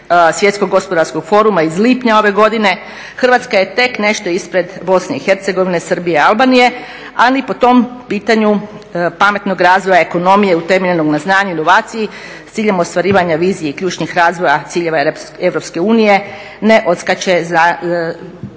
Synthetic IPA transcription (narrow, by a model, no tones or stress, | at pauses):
sʋje̞t̪skoɡːo̞spo̞d̪aɾsko̞ɡ̥fo̞ɾumaizliːpɲao̞ʋe̞ɡo̞d̪ine̞ | xərʋat̪skaje̞t̪e̞kne̞ʃt̪o̞ispɾe̞d̪bo̞sne̞ixe̞ɾt̪se̞ɡo̞ʋine̞sr̩bijealˠbaːnije̞ | alipo̞t̪o̞mpiːt̪aɲu | pame̞t̪no̞ɡɾaːzʋo̞jaeko̞no̞mije̞ut̪e̞meʎeno̞ɡnaznaːɲuino̞ʋaːt̪siji | st̪siːʎe̞most̪ʋaɾiːʋaɲaʋiːzijeikʎʲuːt͡ʃnixɾaːzʋo̞jat̪siːʎe̞ʋae̞ʋɾo̞pske̞uːnije̞ | ne̞ʔo̞t̪skat͡ɕe̞za